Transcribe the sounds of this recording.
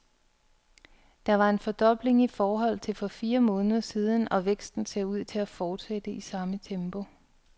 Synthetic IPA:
d̥ɑ̈ʋɑ̈e̝nfɒ̽d̥ɒ̽b̥le̝ŋifɒːɦɒ̽l̰t͡sʰe̝lfɒ̽fiːɐmɔ̽ːnəðˠɐsiːð̞ˠn̩ɒ̽ʋeɡ̥sd̥n̩seɐ̰uð̞̰ˠt͡sʰe̝læfɒːd̥sed̥əʔisɑ̈mət͡sʰemb̥o̝

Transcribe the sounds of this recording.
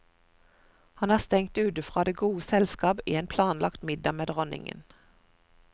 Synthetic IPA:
hɑnhæːst̪ɛŋt̪ʉːd̪əfʁɑːd̪eːɡuːəsɛlskɑːbḭːeːnpʰlɑːnlɑkt̪mɪd̪ɑmeːd̪ʁɔnɪ̰ŋə̰n

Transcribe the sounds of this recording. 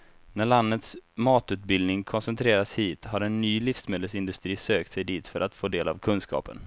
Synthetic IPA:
næɭand̪ət̪smɑːt̪ʉ̟ːt̪̚bɪld̪nɪŋkʰɔnsɛnt̪ʰɾeːɾashiːt̪haɾɛnːyːlɪfsmeːd̪əlsɪnd̪ɵst̪ɾiːsøːk̚t̪sɛjd̪iːt̪fœɾʔat̪foːd̪eːla̰vkʰɵnskɑ̰ːpə̰n

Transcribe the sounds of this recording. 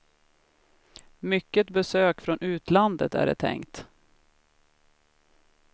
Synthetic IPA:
mʏkːət̪bɛsøːkfɾɔnʔʉ̟ːt̪land̪ə̰t̪æ̰ɖɛ̰t̪ʰɛ̰ŋkt̪

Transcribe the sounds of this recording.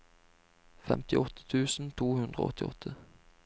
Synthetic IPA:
fɛmt̪ɪʔɔt̪ʰːə̥t̪ʰʉːsn̩t̪ʰuːhʉnd̪ʁə̰ɔ̰t̪ʰːɪɔ̰t̪ʰːə

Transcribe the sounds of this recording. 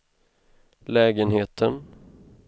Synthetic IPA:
lɛːɡənheːt̪ʰən

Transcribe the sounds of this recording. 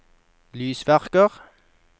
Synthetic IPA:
lyːsʋæʁkəʁ

